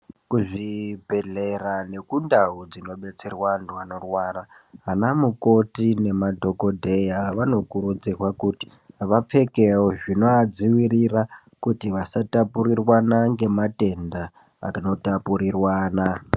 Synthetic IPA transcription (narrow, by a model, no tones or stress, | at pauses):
kuʐibʱe̞ɮerane̞kundaud͡zino̞ɓe̞t͡se̞rwanduano̞rwaːra | ɦanamuko̞tine̞madʱo̞ko̞dʱe̞jaʋano̞kuɾud͡zirwakuti̥ | ʋap͡fe̞keoʐinoad͡ziwirira | kutiʋasatapuɾirwanaŋɡe̞mate̞nda | a̰no̞tapuɾirwaːna